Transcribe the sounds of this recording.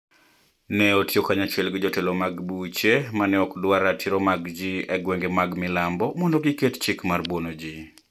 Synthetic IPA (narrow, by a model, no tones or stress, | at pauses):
nɛotjokaɲat͡ʃwɛlɡɪd͡ʒotelomaɡbut͡ʃemanɪɔkdwaɾatʰiɾomaɡd͡ʒiɛɡweŋɡemaɡmɪlambɔmɔndoɡikett͡ʃikmarbwonod͡ʒi